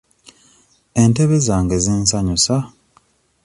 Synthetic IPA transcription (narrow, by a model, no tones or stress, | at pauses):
e̞nte̞βe̞zaːŋɡeziːnsaɲusa